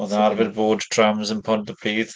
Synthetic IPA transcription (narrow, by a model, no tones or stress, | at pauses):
ɔnəaɾvɛɾboːdtʰɹamzə̃npʰɔnəpʰiːð